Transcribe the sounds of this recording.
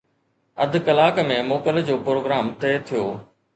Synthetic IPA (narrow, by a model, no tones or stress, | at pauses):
ɐd̪ʱkɐlaːkmẽmoːkəld͡ʑoːpɾoːɡɾaːmt̪eːt̪ʰijoː